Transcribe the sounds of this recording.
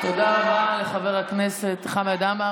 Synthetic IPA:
t̪o̞d̪aʁabaleχaveʁakne̞set̪χamadama

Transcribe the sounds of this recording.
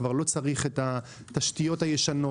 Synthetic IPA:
vaʁlo̞t͡saʁiχet̪a | t̪aʃtijo̞thajeʃano̞

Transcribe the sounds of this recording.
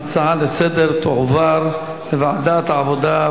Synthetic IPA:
t͡sʕalesed̪eɾt̪oʕvaɾ | levaʕd̪at̪ʕavod̪a

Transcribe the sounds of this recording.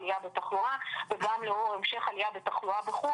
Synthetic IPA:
lijabet̪aχluabevamleoʁemʃeχalijabet̪aχluabeχu

